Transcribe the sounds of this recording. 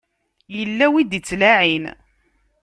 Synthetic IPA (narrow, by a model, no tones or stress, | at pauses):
jəlːæwid̪it͡sːlaʕin